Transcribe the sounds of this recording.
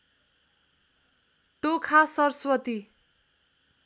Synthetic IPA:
ʈokʰasʌrswʌt̪i

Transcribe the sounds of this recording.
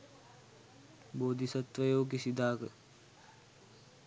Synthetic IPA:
boːd̪ʱisɐt̪ʋəjoːkisid̪aːkə

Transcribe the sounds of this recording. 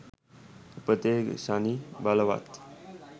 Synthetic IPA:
pət̪eɡsanibalʋa̰t̪

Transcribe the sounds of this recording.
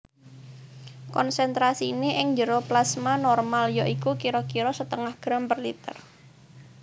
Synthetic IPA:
kɔnsɛnt̪ɾasiːniʔɪŋd͡ʒəɾoplasmanɔrmaljaʔikukiɾɔkiɾɔsət̪əŋahɡ̥ɾampərlit̪ə̰r

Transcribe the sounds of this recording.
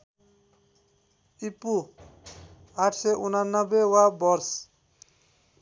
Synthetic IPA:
ipu | aʈʰseʔunanːʌbewabɔɾs

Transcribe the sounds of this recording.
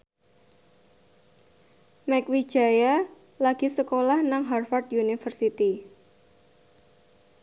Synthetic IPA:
mɛkwid̥ʒ̥a̤ja | laɡ̥i̤səkolahnaŋɦarfart̪junifərsit̪i

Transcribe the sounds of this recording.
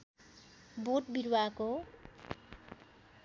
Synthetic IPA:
boʈ̚biɾwako

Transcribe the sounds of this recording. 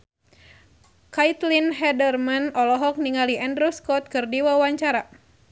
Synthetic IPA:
kait̪linɦɛdərmanɔlɔɦɔk̚niŋaliɛndɾuskɔt̪̚kɨrdiwawaɲt͡ʃaɾa

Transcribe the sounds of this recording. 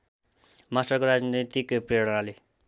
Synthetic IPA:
masʈʌkoɾad͡znit̪it̪ikopreɽʌnale

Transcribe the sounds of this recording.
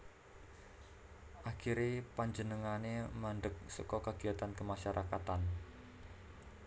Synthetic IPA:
ʔakiɾepaɲd͡ʒənəŋanemaɳɖək̚səkɔkaɡ̥iat̪ankəmaʃaɾʔakat̪an

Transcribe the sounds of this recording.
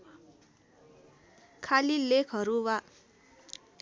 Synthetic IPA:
kʰalilekʰɦʌɾuwa

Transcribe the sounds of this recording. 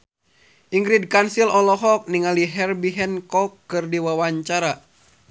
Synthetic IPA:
ʔiŋɡɾid̚kansilɔlɔɦɔk̚niŋaliɦɛrbiɦɛnkɔkːɨrdiwawaɲt͡ʃaɾa

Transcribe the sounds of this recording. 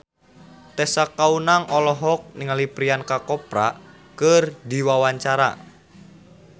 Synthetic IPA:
t̪ɛsakaunaŋɔlɔɦɔk̚niŋalipɾiankakɔpɾa̰ | kərd̪iwawaɲt͡ʃaɾa̰

